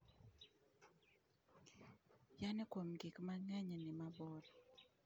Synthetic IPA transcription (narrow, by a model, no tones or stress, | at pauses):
janɛkwomɡɪkmaŋɛɲɛnɪmabɔd